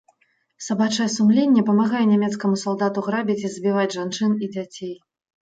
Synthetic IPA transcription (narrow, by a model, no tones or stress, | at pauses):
sabat͡ʂɐjɛsumlʲenʲːɛpɐmaɣajɛnʲamʲɛt̪skɐmusalˠd̪at̪uɣɾabʲit͡sʲizbʲivad͡zʲʐant͡ʂɨnid͡zʲat͡sʲej